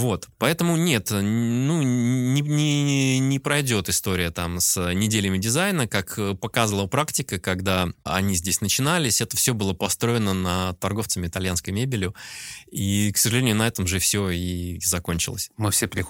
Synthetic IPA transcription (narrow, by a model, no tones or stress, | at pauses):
vo̞t̪pɐɛt̪əmʊnʲe̞t̪nunʲɪnʲɪnʲɪpɾɐjdʲo̞t̪ɨst̪o̞ɾʲɪjət̪amsnʲɪdʲelʲɪmʲɪdʲɪzajnəkakəpɐkazvəlˠəpɾaktʲɪkəkɐɡd̪aɐ̰nʲizʲdʲesʲnət͡ɕɪnalʲɪsʲɛt̪əfsʲobɨlˠəpɐst̪ɾo̞ɪnənət̪ɐrɡo̞ft̪səmʲɪɪt̪ɐlʲjanskəjmʲebʲɪlʲɪiksəʐɨlʲenʲjʊnɐɛt̪əmʐɨfsʲoizɐko̞nʲt͡ɕɪ̰lˠə̰sʲmɨfsʲepɾʲɪ